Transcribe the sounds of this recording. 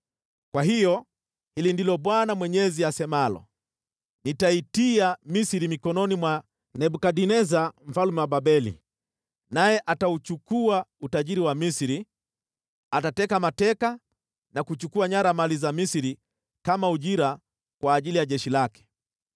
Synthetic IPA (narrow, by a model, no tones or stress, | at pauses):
kwaɦijɔ | hilindilɔɓwanamwɛɲɛziasɛmalɔ̰ | nitaitiamisiɾimikɔnɔnimwa | nɛɓukaɗinɛzam̩falumɛwaɓaɓɛlḭ | najɛʔataut͡ʃukuautaʄiɾiwamisiɾi | atatɛkamatɛka | nakut͡ʃukuaɲaɾamalizamisiɾi | kamauʄiɾa | kwaːʄilijaʄɛʃilakɛ̥